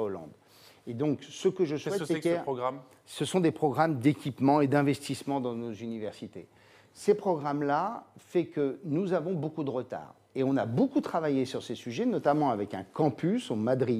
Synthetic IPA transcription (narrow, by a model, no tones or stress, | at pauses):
olɑ̰̃d̪ | ed̪ɔ̃ksəkəʒəswɛtsɛɛɔɡʁam | səsɔ̃d̪epχɔɡʁamd̪ekʲipmɑ̃ed̪ɛ̃vɛst̪ismɑ̃d̪ɑ̃nozynivɛʁsit̪ḛ | səpχɔɡʁamlafɛkənuzavɔ̃bokud̪əʁət̪a̰ːʁ | eɔ̃nabokut̪χavajesyʁsesyʒɛnɔt̪amɑ̃avɛkɛ̃kɑ̃pysomad̪ʁi